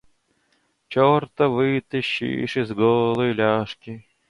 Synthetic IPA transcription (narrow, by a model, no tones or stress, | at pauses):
t͡ɕort̪əvɨt̪ɨɕːḭʂɪzɡolˠəjlʲaʂkʲɪ